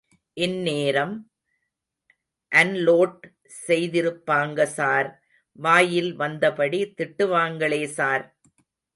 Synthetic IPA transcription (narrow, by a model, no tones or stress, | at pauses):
ʔɪnːeːɾɐm | ʔɐnloːʈ | sɛjðɪɾɯpːaːŋɡɐsaːɾ | ʋaːjɪlʋɐnd̪ɐpɐɽit̪ɪʈːɯʋaːŋɡɐɭeːsaːɾ